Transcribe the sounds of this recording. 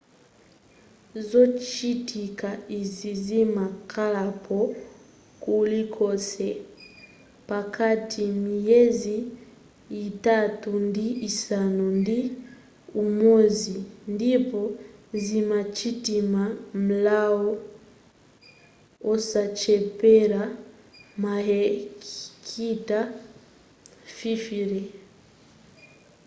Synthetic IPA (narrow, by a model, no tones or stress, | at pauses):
zot͡ʃitʰikaizizimakʰalapʰɔ | kulikʰosɛ | pakatʰimijeziː | tatundiisanondi | umozindipɔzimat͡ʃitimam̩laɔ | ɔsat͡ʃɛpɛɾa | maɦɛ | kʰita | fifiɾɛ